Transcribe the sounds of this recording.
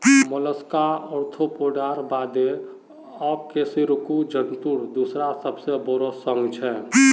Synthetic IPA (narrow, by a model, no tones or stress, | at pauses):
mələskaɔɾt̪ʰopoɖaɾbad̪e | ɔkesiɾukud͡ʒənt̪uɾd̪usɾasəbsebɔɾosəŋɡt͡ʃʰɛ